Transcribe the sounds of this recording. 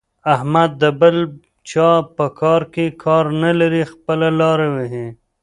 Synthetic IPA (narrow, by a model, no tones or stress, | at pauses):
ahmad̪̚ːəbəl | t͡ʃɑpəkʰɑɾkekʰɑɾnalaɾixpəlalɑɾawɪɦe